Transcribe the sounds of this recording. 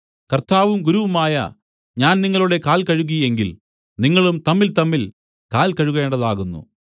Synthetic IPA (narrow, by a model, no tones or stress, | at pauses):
kɐrt̪aːʋumɡuɾuʋɐmaːjɐ̰ | ɲaːnniŋːɐɭuɽe̞kaːlkɐɻuɣije̞ŋɡil | niŋːɐɭumt̪ɐmːilt̪ɐmːil | kaːlkɐɻuɣe̞ːɳɖɐðaːɣunːṵ